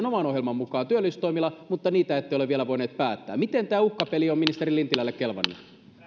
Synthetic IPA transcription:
nomɑno̞ɦjelmɑmmukˑɑːnt̪yølːist̪omilːɑmut̪ːɑniːt̪æet̪ːejoleʋielæʋoineːt̪̚pæːt̪ːæ̰ːmit̪ent̪æːukːɑpeliominist̪eɾilːint̪ilælːekkelʋɑ̰nːe

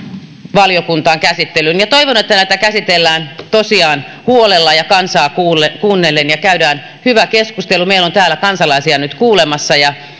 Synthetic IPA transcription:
ʋɑljokunt̪ɑːŋkæsit̪ːelynjɑt̪oiʋonet̪ːænæit̪ækæsit̪elːæːnt̪osiɑːn | huolelːɑjɑkɑnsɑːkuːlekuːnːelːenjɑkæydæːn | hyʋækeskust̪elumeilont̪æːlːˑækɑnsɑlɑisiɑnyt̪kuːlemɑsːɑjɑ

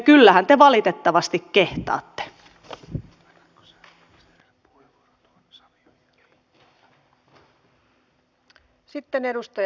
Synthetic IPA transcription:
kylːæhænt̪eʋɑlit̪et̪ːɑʋɑst̪ikkeht̪ɑ̰ːt̪ːe̥ | sit̪ːenedust̪ɑj

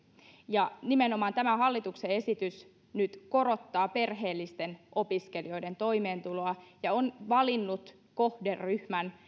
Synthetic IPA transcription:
jɑnimeno̞mɑːnt̪æmæhɑlːit̪uksee̞sit̪ys | nyt̪ko̞ɾo̞t̪ːɑːpe̞rɦe̞ːlːist̪enʔo̞piskelio̞jde̞nt̪o̞ime̞ːnt̪uloɑjɑonʋɑlinːut̪ | ko̞hderːyhmæn

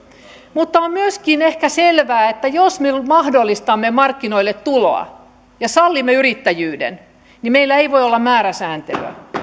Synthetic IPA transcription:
mut̪ːɑommyøskinehkæselʋæːet̪ːæjosmemɑhdolːist̪ɑmːemɑrkːinoilːet̪tulo̰ɑ̰ | jɑsɑlːimːeyrit̪ːæjyːdḛn | nimeilːæeiʋoiolːɑmmæːɾæsæːnt̪ḛʋæ̰

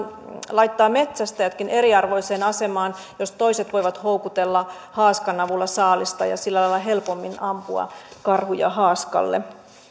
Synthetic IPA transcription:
lɑit̪ːɑːmet̪sæst̪æjot̪kine̞ɾiɑrʋo̞iseːnɑsemɑːn | jost̪o̞iset̪ʋoiʋɑt̪houkut̪elːɑ | hɑːskɑnɑʋulːɑsɑːlist̪ɑ̰jɑ̰silːælɑilːɑɦelpomːinɑmpuɑ̰kɑrhujɑ̰ɦɑːskɑ̰lːḛ

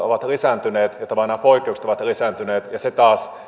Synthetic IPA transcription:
o̰ʋɑt̪risænt̪yneːt̪jɑt̪ɑmɑnɑpoikːˑeukst̪oʋɑt̪risænt̪yneːt̪jɑset̪ɑːs

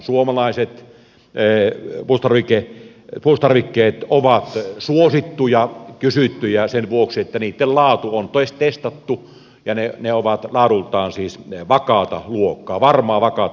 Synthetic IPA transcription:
suomɑlɑˑeset̪ | pust̪ɑrʋike | pust̪ɑrʋikːˑeːt̪oʋɑt̪suosit̪ːujɑkysyt̪ːyjɑsenʋuoksiet̪ːæniːt̪ːellɑːt̪uont̪oˑest̪est̪ɑt̪ːu | jɑneneoʋɑt̪lɑːɾult̪ˑɑːnsiːsʋɑkɑt̪ɑ̰luokːˑɑːʋɑrmɑːʋɑkɑt̪

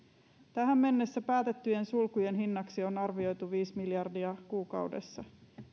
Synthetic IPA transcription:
t̪æɦæmːe̞nːe̞sːæpæːt̪et̪ːyje̞nsulkuje̞nɦinːɑksio̞nɑrʋio̞jt̪uʋiːsmiljɑrdiɑkuːkɑ̰wde̞̰sːɑ

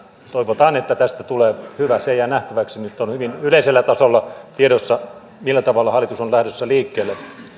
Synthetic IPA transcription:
t̪oiʋot̪ɑːnet̪ːæt̪æst̪æt̪uleːhyʋæseijænæht̪æʋæksinyt̪ːonhyʋinyleiselːæt̪ɑsolːɑt̪ieɾosːɑ | milːæt̪ɑʋɑlːɑhɑlːˑit̪usonlæhɾøsːæliːkːeːlːˑe

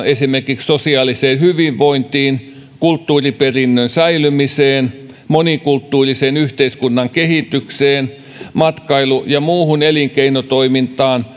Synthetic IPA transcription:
esimerkikssosiɑːliseːnhyʋiʋʋoint̪iːn | kult̪ːuːriperinːønsæilymiseːn | monikult̪ːuːriseːnyht̪eiskunːɑŋkehit̪ːykseːn | mɑt̪kɑilujɑmuːhuneliŋkeinot̪oimint̪ˑɑːn

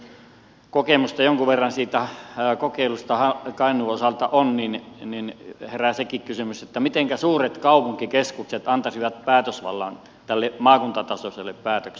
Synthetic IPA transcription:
kokemust̪ɑjoŋkuʋerːɑnsiːt̪ækokeˑilust̪ɑhɑkɑˑinˑuosɑlt̪ɑʔonninninheræsekikkysymyset̪ːæmit̪eŋkæsuːret̪kɑˑupuŋkikeskukset̪ɑnt̪ɑsiʋɑt̪̚pæːt̪øsʋɑ̰lːɑ̰n | t̪ælːemɑːkunt̪ɑt̪ɑsoselːeppæːt̪økse

